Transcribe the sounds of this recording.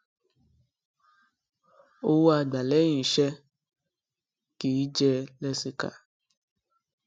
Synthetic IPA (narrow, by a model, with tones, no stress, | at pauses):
o˧wu˦a˧˨da˨lɛ˦j̃ĩ˨ʃɛ˧ | kiː˨˦d͡ʒɛ˧lɛ˧si˧ka̰˨